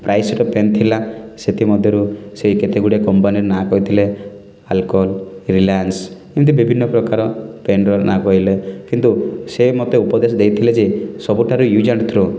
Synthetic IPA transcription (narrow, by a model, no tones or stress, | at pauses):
pɾajseʈɔpent̪ʰilaset̪ʰimɔd̪ʱjɔɾuseiket̪eɡuɽeakɔmpaniɾɔnakɔɦit̪ʰile | alkɔlɾilaanskint̪̬ubibʱinːɔpɾɔkaɾɔpenɾɔnʔakɔɦilekint̪usemɔt̪eupɔd̪esɔd̪ejt̪ʰiled͡ʒesɔbuʈʰaɾujud͡ʒaɳʈt̪ʰɾu